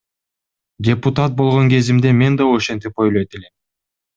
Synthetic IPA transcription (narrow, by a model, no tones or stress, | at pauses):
dʲe̞pʊt̪at̪̚bo̞lˠʁo̞ŋke̞zimd̪e̞me̞nd̪ɑoʃe̞nt̪ipo̞jlˠojt̪elem